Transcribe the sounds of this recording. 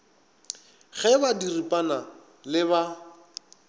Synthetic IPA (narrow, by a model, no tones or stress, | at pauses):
ɣɛbadiripʼana | lɪβa